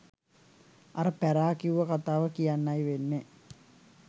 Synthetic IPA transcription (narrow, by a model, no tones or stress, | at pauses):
aɾəpæɾaːkiuʋəkat̪aːʋəkijanːajʋenːe